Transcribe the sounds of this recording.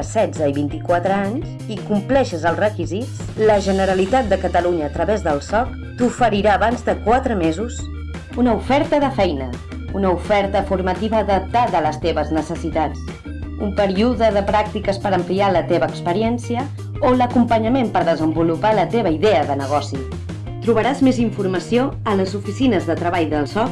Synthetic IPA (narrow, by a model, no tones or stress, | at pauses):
sɛd͡zəiβint̪ikwat̪ɾəaɲz | ikumplɛʃəzəlˠrəkizit͡s | ləʒənəɾəlit̪at̪̚d̪əkət̪əluɲəːt̪ɾəβɛzðəlˠsɔk̚ | t̪ufəɾiɾaːβanzðəkwat̪ɾəmezus | unəufɛɾt̪əðəfɛjnə | unəufɛɾt̪əfuɾmət̪iβəðət̪aðələst̪eβəznəsəsit̪at͡s | umpəɾiuðəðəpɾak̚t̪ikəspəɾəmplialət̪eβəːkspəɾiɛnsiə | oləkumpəɲəmempəɾðəzəmbulupalət̪eβəiðeəðənəɣ̞ɔsi | t̪ɾuβəɾazmeziɱfuɾməsioələzufisinəzðət̪ɾəβ̞aʎðəlˠsɔk